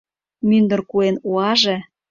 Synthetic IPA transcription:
mynd̪ə̆rkuenuɑʒĕ

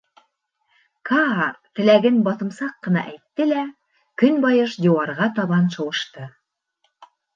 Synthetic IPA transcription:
kɑrt̪ɘ̆læɡɘnbɑt̪ɤ̆msɑqːɤ̆nɑ̰ʔæjt̪ːɘlæ | kɵnbɑjɤʃd̪ʲuwɑɾʁɑt̪ɑβɑnʃɤ̆wɤ̆ʃt̪ɤ

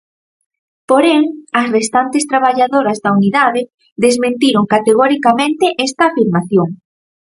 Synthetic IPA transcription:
poɾɛŋɐsrest̪ant̪est̪ɾaβaʎaðoɾɐzðɐuniðaðɪ | ðezmẽnt̪iɾoŋkat̪eɣ̞ɔɾikamẽnt̪ɪʔɛst̪ɐːfiɾmaθjoŋ

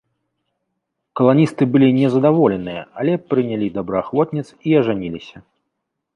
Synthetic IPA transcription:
kɐlˠanʲist̪ɨbɨlʲinʲɛzɐd̪avɔlʲɛnɨjɐalʲɛpɾɨnʲalʲid̪abɾɐaxvɔt̪̚ʲnʲɛt̪siɐʐanʲilʲisʲɐ

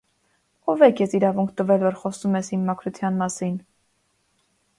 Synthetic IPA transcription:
ɔvɛkʰjɛsiɾɑvuŋkʰt̪əvɛlvɔɾχɔst̪umɛsimːɑkʰɾut̪ʰjɑnmɑsin

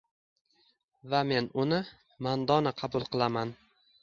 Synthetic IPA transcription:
vame̞nʊnɪ | mand̪ɒnɪqʰɑbʊlˠqʰɨlˠaman

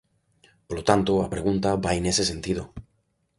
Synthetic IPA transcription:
polot̪ant̪oapɾe̞ɣ̞unt̪aβaene̞sesẽ̞nt̪ið̞o

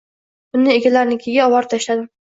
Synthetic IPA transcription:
b̥ʊnːɪeɡʲalaɾnɪkʲʰeɡʲaɒwɒɾt̪ʰaʃlad̪ɪm

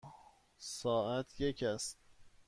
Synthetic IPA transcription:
sɒːʔæt̪ʰje̞cʰæst̪̚

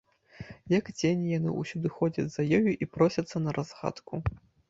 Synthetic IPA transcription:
jɐkd͡zʲenʲijanɨ̰ʔusʲud̪ɨxɔd͡zʲɐd͡zʲzɐjɔjuʔipɾɔsʲɐt̪sːɐnɐɾʔazɣa̰t̪kʰu

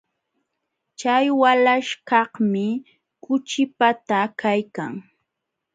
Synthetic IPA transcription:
t͡ʃajwalaʃkɑhmɪ | kʊt͡ʃɪpat̪akajkaŋ

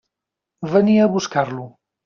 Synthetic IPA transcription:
βəniəːβuskarlu

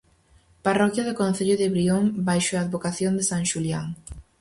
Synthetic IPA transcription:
parɔkjaðɪkõn̟θeʎʊðɪβɾioŋbajʃoaːðβokaθjond̪ɪsaŋʃuljaŋ

